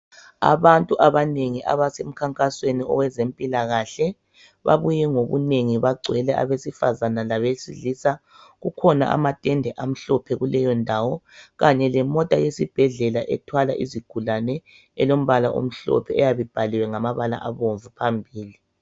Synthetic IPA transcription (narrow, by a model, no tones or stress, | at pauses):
a̰βantʼuʔaβaneŋiʔa̰βasem̩kʰaŋkʼasweniɔ̰wɛzempʼilaɣaɬɛ | βa̰βujɛŋoβṵneŋiβaɡ͡ǀʱwɛlɛʔa̰βesifazanalaβesilisa | ɣukʰɔna̰ʔa̰matʼɛndʱɛʔam̩ɬɔpʰɛɣulɛjɔndʱawɔɣaɲɛlɛmɔtʼajesib̥ʱɛɮɛlaʔɛ̰tʰwalaʔiziɡ̥ʱulanɛ | ɛlom̩βalaʔo̰m̩ɬɔ̰pʰɛɛjaβib̥ʱaliwɛŋamaβala̰ʔaβoɱvupʰambʱiːli